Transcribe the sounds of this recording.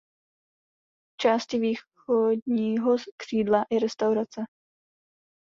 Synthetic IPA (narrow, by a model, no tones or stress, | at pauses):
t͡ʃaːscɪviː | odɲiːɦokr̝̥iːdlaʔɛɾɛst̪awɾat͡sɛ